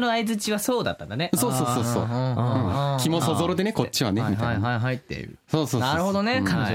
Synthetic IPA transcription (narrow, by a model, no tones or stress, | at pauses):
noaizɨt͡ɕiβaso̞ːd̪a̰t̪ːã̰nd̪ane̞so̞ːsoːsoːso̰ːɯ̃ːkʲimo̞sozoɾod̪e̞ne̞ko̞t͡ɕiβa̰nemia̰aɦaiɦait̪ːe̞̰ɾɯ̟̰soːsoːnaɾɯ̟ho̞d̪onekãi